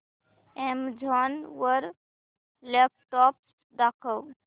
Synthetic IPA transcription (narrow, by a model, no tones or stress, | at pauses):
emd͡ʒʱɔnwəɾ | lɛp̚ʈɔps | d̪akʰəw